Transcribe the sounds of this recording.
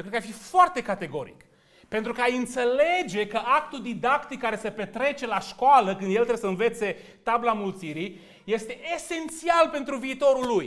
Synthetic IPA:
jokɾed̪kafifoart̪e̞kat̪e̞ɡo̞̰ɾḭk | pe̞nt̪ɾukəajɨnt̪se̞le̞d͡ʒe̞kəʔak̚t̪uld̪id̪akt̪ikːaɾe̞sepe̞t̪ɾe̞t͡ʃe̞laʃkoaləkɨnd̪je̞lt̪ɾeesəɨnve̞t̪se̞ | t̪ablamult̪siɾi | je̞st̪e̞ʔese̞nt̪sialpe̞nt̪ɾuviːt̪o̞ɾulːuj

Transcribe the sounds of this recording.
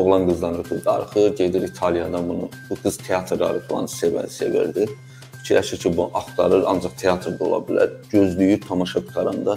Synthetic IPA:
oɣlˠɑnɡɯzd̪ˠɑnɯɾɡɯzd̪ɑ̰ɾɯχɯɟe̞d̪iɾit̪ʰɑlˠijɑd̪ɑbunubuɡɯz̥t̪ʰeɑt̪ʰɾd̪ɑ̰ɾɯklˠɑ̰nɯsevæ̰se̞vḭɾd̪i | fi̥t͡ʃʰiɾæʃiɾcʰibuʔɑχt̪ɑɾɯɾɑ̰nd͡ʒɑχt̪ʰejɑt̪ʰɾd̪olˠɑ̰bilæ̰ɾɟøzlyjyɾt̪ʰɑmɑʃɑkut̪ʰɑɾɑnd̪ɑ

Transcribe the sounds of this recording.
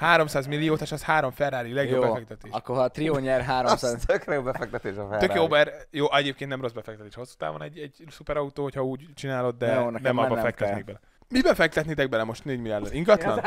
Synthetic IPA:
haːɾo̞msaːzmilːijoːt̪aʃɒshaːɾo̞ɱfɛrːaːɾilɛɡjobɛfɛkt̪ɛt̪eːʃɒkkːoɦt̪rioɲɛrɦaːɾomsat̪økrɛjoːbɛfɛk̚t̪ɛt̪eːʃfɛrøkjobɛrjoːʔɛɟeːp̚kent̪nɛmro̞zbɛfɛkt̪ɛt̪eːʃo̞sːu̥t̪a̰ːbo̰nɛɟːɛɟsupɛɾɒut̪oːho̞chɒuːɟt͡ʃinaːlo̞d̪̚d̪ɛnɛnɛmɒbɒfɛkt̪ɛttniɡbɛlɛ | mibɛfɛk̚t̪ɛt̪nit̪ɛɡ̚bɛlɛmo̞ʃt̪neːɟmilɛlɛniŋɡɒt̪lɒn

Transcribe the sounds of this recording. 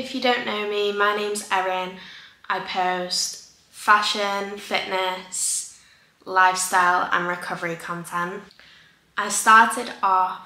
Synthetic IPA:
ɪfjədõʊ̃nːoʊmimaɪnẽɪ̃mzɛɹɪnʔaɪpʰəʊst | faʃə̃nfɪʔnəs | laɪfstaɪlə̰̃nɹɪkʰʌvəɹikʰɒ̃ntʰɛ̃nʔ | ʔaɪstɑˑtʰɪdɔ

